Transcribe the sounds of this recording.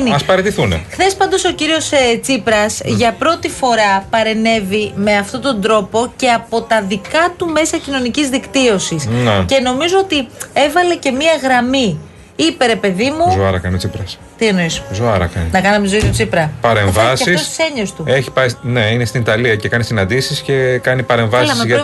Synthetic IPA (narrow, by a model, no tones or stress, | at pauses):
niɐspɐɾet̪iθunḛxθe̞spɐnd̪o̞so̞ciɾio̞st͡sipɾɐsʝɐpɾo̞t̪ifo̞ɾɐpɐɾe̞ne̞vime̞ɐft̪o̞t̪o̞nd̪ɾo̞po̞ce̞ɐpo̞t̪ɐðikɐt̪ume̞sɐcino̞nicizðikt̪io̞sisnece̞no̞mizo̞ot̪ie̞vɐle̞ce̞miɐɣɾɐmi | ipe̞ɾe̞pe̞ðimuzoɐɾɐkɐnit͡sipɾɐs | t̪ieno̞isozoɐɾɐ̰kɐninɐkɐnɐmiɐzoist̪ut͡sipɾɐpɐɾemvɐsɐfisost̪i̥se̞ɲost̪ueçi̥pɐjsneinest̪init̪ɐliɐcekɐnisinɐnd̪isisce̞kɐnipɐɾe̞ɱvɐsizʝɐ